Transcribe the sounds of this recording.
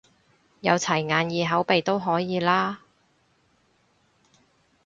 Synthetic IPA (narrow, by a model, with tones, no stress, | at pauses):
jɐ˨˧wt͡sʰɐ˨˩jŋaː˨njiː˨˧ɦɐ˨˥wpe˨jt̪o˥wɦɔː˨˥jiː˨˧laː˥